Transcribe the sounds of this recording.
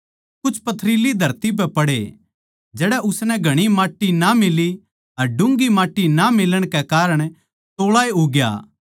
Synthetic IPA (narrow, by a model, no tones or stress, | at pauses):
kʊt͡ʃʰpɐt̪ʰɾiːlid̪ʱɐɾt̪ip̬ɛpɐɽḛ | d͡ʒɛːɽɛʔʊsnɛ̃ɡʱɐɽ̃imaːʈːinamɪli | ɦɐɾɖʊ̃ŋɡimaːʈːinamɪləɽ̃kekaːɾəɽ̃ | t̪oːɭaːeɦoɡja̰ː